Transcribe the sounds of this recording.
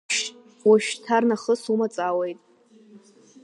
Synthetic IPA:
waʃᶣtʰarnaχəsumat͡sʼawejtʼ

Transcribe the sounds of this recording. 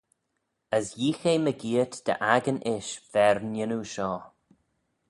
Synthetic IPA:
əsjiːxejməɡiːət̪d̪̥ə̰ʔaɡənʔɪʃv̥ɛɹnɪnuʃɔː

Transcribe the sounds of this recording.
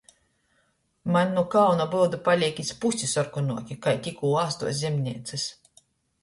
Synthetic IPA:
manʲːukawnabɨld̪upalʲikʲispusʲisɔɾkunuɔkʲikajt̪ʲikuːaːst̪ṵɔzʲimnʲiɛt̪sɨs

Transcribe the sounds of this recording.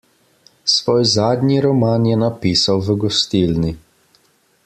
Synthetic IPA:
svɔjzad̪ɲiɾɔmanjɛnapisawvɡɔst̪ilni

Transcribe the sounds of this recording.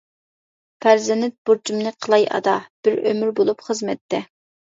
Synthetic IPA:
pæɾzɪnɪt̪̚buɾd͡ʒumnɨqʰəlˠɑjʔɑ̰d̪ɑb̥ɪɾømyɾbolˠupχəzmɛt̪ʰːɛ

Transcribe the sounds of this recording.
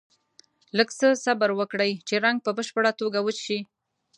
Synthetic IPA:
ləɡsəsabaɾwəkɽəjt͡ʃeɾaŋɡ̚pəbəʃpəɽat̪oɡawət͡ʃi

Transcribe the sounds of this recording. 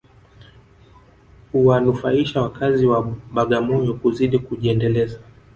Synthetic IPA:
huwanufaiʃawakaziwaɓaɠamɔjɔkuziɗikuʄiɛndɛlɛza

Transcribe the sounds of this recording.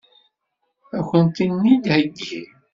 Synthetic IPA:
æçənt̪inːid̪hæɡḭ

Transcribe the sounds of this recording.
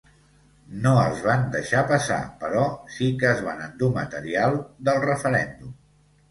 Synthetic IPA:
noəlˠzβand̪əʃapəsa̰pəɾɔsikəːzβanənd̪umət̪əɾialˠd̪əlˠrəfəɾɛ̰nd̪um

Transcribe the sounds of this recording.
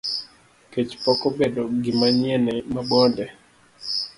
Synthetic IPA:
ket͡ʃpɔkɔbedoɡɪmaɲɛnɛmabɔndɛ

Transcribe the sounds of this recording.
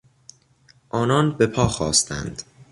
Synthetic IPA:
ʔɒːnɒːnbe̞pʰɒːxɒːst̪ʰæ̰nd̪̥

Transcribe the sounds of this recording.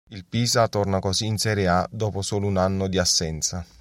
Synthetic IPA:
ilpiːzat̪ornakoziːnsɛɾead̪oːposoːlounanːod̪iasːɛnt̪sa

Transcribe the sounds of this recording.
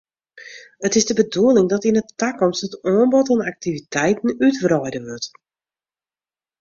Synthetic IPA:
ətɪzdəbəduəlˠɪŋdɔtinətːakɔmsətɔənbɔtɔnak̚tivitʰɛjtn̩ytvrɔjdəʋøt

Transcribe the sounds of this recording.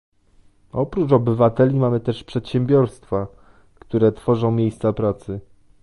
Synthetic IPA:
ɔpɾut͡ʂɔbɘvat̪ɛlʲimamɘt̪ɛʂpʂɛt̪ɕɛmbʲjɔɾst̪fa | kt̪uɾɛt̪fɔʐɔ̃w̃mʲjejst̪sapɾat̪sɘ

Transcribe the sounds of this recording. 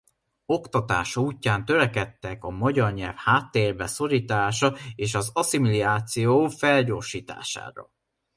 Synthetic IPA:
o̞kt̪ɒt̪a̰ːʃuːcːaːnt̪ø̞ɾɛkɛt̪ːɛkɒmɒɟɒrɲɛlfhaːt̪ːeːrbɛso̞ɾiːt̪aːʃɒeːʃɒzɒsimiliaːt̪sijoːfɛlɟoːʃiːt̪a̰ːʃa̰ːɾɒ̰

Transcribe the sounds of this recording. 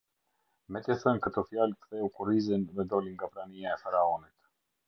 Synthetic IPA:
mɛt̪jɛθɛnkət̪ɔfjalkθɛukuɾizinvɛd̪ɔliŋɡapɾanijaɛfaɾaɔnit̪

